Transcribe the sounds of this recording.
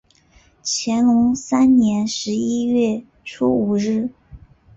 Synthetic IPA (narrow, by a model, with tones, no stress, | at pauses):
t͡ɕʰjɛ˧˥nlʊ˧˥ŋsa˥nnjɛ˧˥nʂɻ̩˧˥i˥ɥɛ˥˩ | ʈ͡ʂʰu˥u˨˩ɻɻ̩˥˩